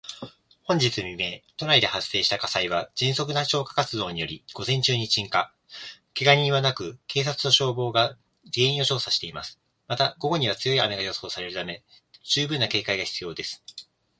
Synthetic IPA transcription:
hõ̞ɲ̟d͡ʑit͡sɨmʲime̞t̪o̞ɾaid̪e̞hasːe̞ːɕi̥t̪akasaiβad͡ʑĩɰ̃so̞k̬ɯ̟naɕo̞ːkḁkat͡sɨd̪o̞ːɲ̟ijo̞ɾʲiɡ̥o̞zẽ̞ɲ̟t͡ɕɨːɲ̟it͡ɕĩŋka | keɡaɲ̟ĩβ̞anakɯ̟kʰe̞ːs̬at͡sɨ̥no̞ɕo̞ːbo̞ːɡa | ɾʲiẽ̞ĩoɕo̞ːsaɕi̥t̪e̞ima̰sɨ̥ | mat̪aɡ̥o̞ɡo̞ɲ̟iβat͡sɨjo̞iame̞ɡajo̞ːso̞ːsaɾe̞ɾɯ̟t̪ame̞ | d͡ʑɨːbɯ̟nːake̞ːkaiɡaçi̥t͡sɨjo̞ːd̪e̞sɨ̥

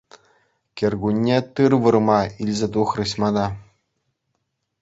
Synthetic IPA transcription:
kʲerɡunʲːet̪ɯrʋɯrmɑilʲzʲet̪uχrɯɕmɑd̪ɑ

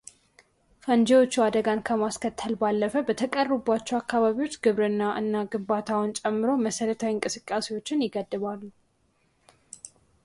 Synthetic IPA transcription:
fənd͡ʒewo̞t͡ʃːuad̪əɡankʰəmaskʰət̪ʰːəlbalːəfəbət̪ʰəkʼərːbːat͡ʃːɛwakːaβaβiwo̞t͡ʃːɡɨβɾɨnːaʔɨ̰nːaɡɨmbat̪ʰawɔnt͡ʃʼɛmːɨɾo̞məsəɾət̪ʰawiŋkʼɨsɨkʼːase̞wo̞t͡ʃːɪnjɪɡəd̪ːɨβalːu

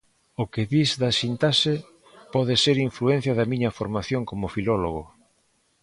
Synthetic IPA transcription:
ʊkeðizðɐsint̪asɪ | pɔðɪseɾiɱfluẽn̟θjɐðɐmiɲɐfoɾmaθjoŋkomʊfilɔloɣ̞o

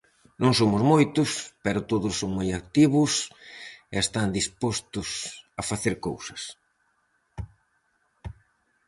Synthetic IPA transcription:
nõŋsomʊzmojt̪ʊspɛɾʊt̪oðʊssːoŋmojakt̪iβʊs | ɛest̪and̪ispost̪ʊsɐfaθeɾkowsɐ̥s

